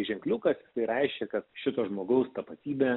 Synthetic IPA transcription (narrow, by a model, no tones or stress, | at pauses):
ʒʲɛŋklʲukɐsjɪsɐɪɾɛɪʃʲkʲɛkɐt̪ʃʲɪt̪oːʒmoːɡɐʊst̪ɐpɐt̪ʲiːbʲeː